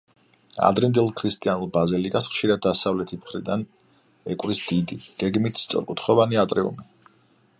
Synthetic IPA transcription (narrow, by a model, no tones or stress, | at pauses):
a̰d̪ɾind̪ɛlˠkʰɾist̪ʼianulˠbazilikʼasχʃiɾad̪ːasavlɛt̪ʰimχɾid̪an | ɛkʼwɾisd̪̥id̪iɡ̥ɛɡmit̪ʰst̪sʼɔ̰ɾkʼut̪ʰχɔvaniat̪ʼɾɛṵmi